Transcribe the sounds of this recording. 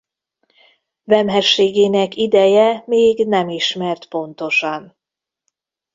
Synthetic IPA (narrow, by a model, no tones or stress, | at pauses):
vɛmɦɛʃːeːɡeːnɛkid̪ɛjɛmeːɡnɛmiʃmɛrt̪po̞n̪t̪o̞ʃɒn